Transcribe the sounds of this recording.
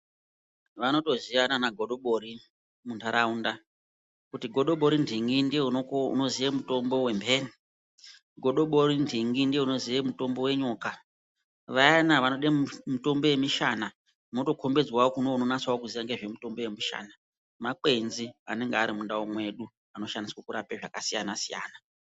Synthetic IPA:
ʋano̞to̞ziʋananaɡʱo̞ɗo̞ɓo̞ɾi | muntʰaɾaunda | kutiɡʱo̞ɗo̞ɓo̞ɾindʱiŋɡindṵno̞ziʋemutombo̞we̞mbʱeni | ɡʱo̞ɗo̞ɓorindʱiŋɡindieuno̞ziʋemuto̞mbo̞we̞ɲoːka | ʋajanaʋanoɗemito̞mbo̞je̞miʃana | noto̞kʰo̞mbe̞d͡zwaokunouno̞nat͡swaokuziaŋɡeʐe̞mito̞mbo̞je̞miʃa̰ːna | maǃe̞nzia̰ne̞ŋɡeaɾimundawomwe̞ɗu | ano̞ʃaniswokuɾapeʐakasijanasija̰ːna

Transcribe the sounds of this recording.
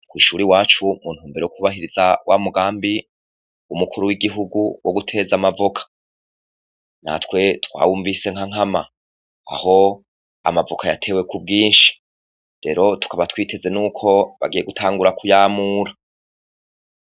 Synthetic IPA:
kwiːʃuːɾiwaːt͡ʃumun̥huːmbeɾeokuβaɦiɾizawʔamuɡaːmbi | umukʰuɾuwiɡiɦuɡuwʔoɡutʰe̞zamavokʰḁ | na̰twe̞twa̰ːwuːɱvise̞ŋhaŋ̥ama | a̰ho̞ | a̰mavokʰajatʰe̞we̞kub̚ɡiːnʃi̥ | ɾe̞ɾo̞tu̥kaβatwiːtʰe̞ze̞nuːkʰo̞βa̰ɡije̞ɡutʰaːŋɡuɾakujaːmuːɾa

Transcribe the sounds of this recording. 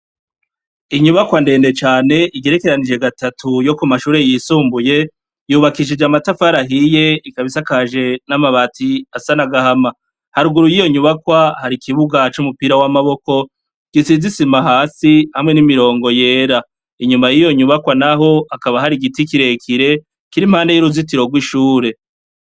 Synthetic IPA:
iɲuβakwande̞ːnde̞t͡ʃaːne̞ʔiɟe̞ɾe̞ke̞ɾanid͡ʒe̞ɡatatʰujo̞kumaʃuːɾe̞jisuːmbuje̞ | juːβakiʃid͡ʒamatafaɾaɦije̞ikaβisakaʒe̞namaβatʰiasanaɡahama | haɾuɡuɾujijo̞ɲuβakwahaɾikʰiβuɡat͡ʃumupiːɾawamaβo̞ko̞ | ɡ̥isizisimaɦaːsihamŋe̞nimiɾo̞ːŋɡo̞je̞ːɾa | iɲumajijo̞ɲuβakwanaɦo̞akaβahaɾiɡitikiɾe̞kʰiɾe̞ | kiɾimhaːnde̞juɾuzitiɾo̞ɡwiʃuːɾe̞

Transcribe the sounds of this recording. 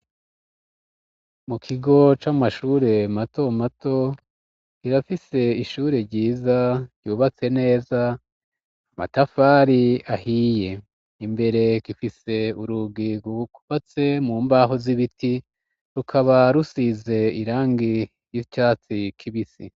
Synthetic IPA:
mukʰiɡo̞t͡ʃamaʃuːɾe̞mato̞mato̞ | kiɾafise̞iʃuːɾeɾɟiːzḁɟuːβat͡se̞ne̞ːza | ama̰tafaːɾiahije̞ | imbe̞ɾe̞kifise̞uɾuɡiɡuku̥fat͡se̞muːmbaɦoziβiti | ɾukʰaβaɾusize̞iɾaːŋɡi | jit͡ʃaːt͡sikʰiβisḭ

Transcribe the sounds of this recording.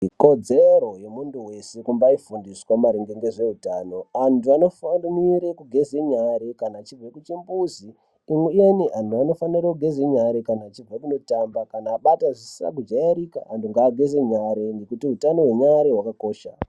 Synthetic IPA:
iko̞d͡zeɾo̞je̞munduwe̞se̞kumbaifundiswamaɾiŋɡeŋɡe̞ʐe̞utaːno̞antuanofaniɾekuɡʱe̞zeɲaɾekanaːt͡ʃivekut͡ʃimbuzi | imwejeniʔantʰuano̞fanirakuɡʱezeɲaɾekanaːt͡ʃib͡vʱekuno̞tambakanaːɓataʐisira̰k̬ud͡ʒaeɾika̰ːntuŋɡaːɡʱezeɲaɾeŋɡekutiutano̞we̞ɲaɾewakako̞ːʃa̰

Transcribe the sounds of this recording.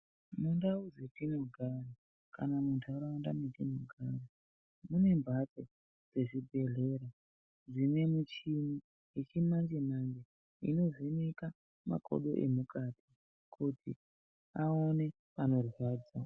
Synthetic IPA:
mundauzetinoɡʱara | kanamuntʰauɾaandametinoɡʱaːɾa | mune̞mbʱato | d͡ze̞ʐibʱe̞ɮe̞ɾa | ʐinwe̞mut͡ʃini | et͡ʃimand͡ʒemaŋɡe | ḭno̞zineka | ma̰kʰo̰ɗo̞̰ʔḛmukatʰi | kʰutʰi | aone̞ | pano̞rwaːd͡za

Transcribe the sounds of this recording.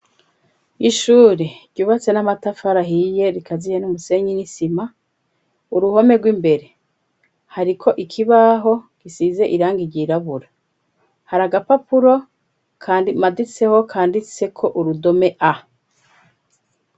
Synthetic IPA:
iʃuːɾeɾɟuːβat͡se̞namatafaɾaɦije̞ɾikazijenumuse̞ɲinisima | uɾuho̞me̞ɡwimbe̞ɾe̞ | haɾikʰo̞ʔikʰiβaɦo̞ɡisize̞ʔiɾaːŋɡiɟiɾaβuɾa | haɾaɡapapuɾo̞ | kʰaːndimadit͡se̞ho̞kʰaːndit͡se̞kʰo̞ʔuɾudo̞me̞ʔa

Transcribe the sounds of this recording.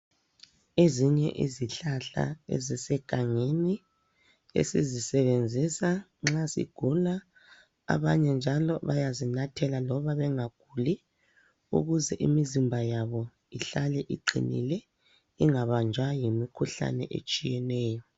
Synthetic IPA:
eziɲɛʔḭziɬaɬa̰ḛzisɛɡ̥ʱaŋeni | ḛsizisɛβend͡zʱisaŋ͡ǁasḭɡ̥ʱula | a̰βaɲɛnd͡ʒʱalɔβajazinatʰɛlalɔβaβɛŋaɡ̥ʱuli | ṵɣuzɛʔḭmizimbʱajaβɔ | iɬalɛʔiǃḭnḭlɛ | iŋaβand͡ʒʱajimikʰuɬa̰nɛ̰ʔḛt͡ʃʼijɛnɛːjɔ

